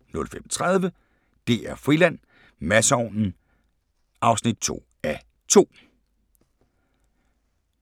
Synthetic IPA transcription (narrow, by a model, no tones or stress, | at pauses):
nɔ̽lfemɒt͡sʰʁað̞ˠʋə | d̥e̝̰ːæɐfʁilæn̰ | mæsɒnn̩ | ʔɑ̈ʊsnid̥̚t͡sʰo̝̰ː | æ | t͡sʰo̝̰ː